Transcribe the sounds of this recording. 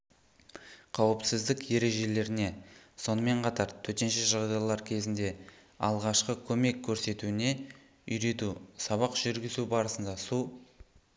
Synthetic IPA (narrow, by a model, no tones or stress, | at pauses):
qʰɑwəpsɪzd̪ɪkje̞ɾe̞ʒe̞le̞ɾɪne̞so̞nəme̞ɴqʰɑt̪ɑɾt̪ʰɵt̪e̞nʃeʒɑʁd̪ɑjlˠɑɾkʲʰe̞zɪnd̪e̞ | ɑ̰lˠʁɑʃqəkʲʰɵme̞kʲʰːɵɾse̞t̪uɪne̞ | ʏjɾe̞t̪usɑβɑqʒ̥ʏɾɡʲɪzubɑɾəsənd̪ɑsu